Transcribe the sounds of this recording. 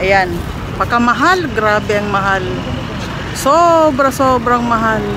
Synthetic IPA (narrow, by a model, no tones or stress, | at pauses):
ʔjan | bɐkamɐɦalɡɾaːbɛɐŋmɐɦal | sobɾasoːbɾaŋmɐɦal